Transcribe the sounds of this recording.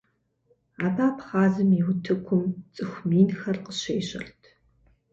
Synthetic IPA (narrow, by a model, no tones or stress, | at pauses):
aːbaːpʰχaːzɨmiwʊtʰɨkʷʰʊmt͡sʼɨxʷmiːnxɐrqəɕeːɕɐ̰rtʰ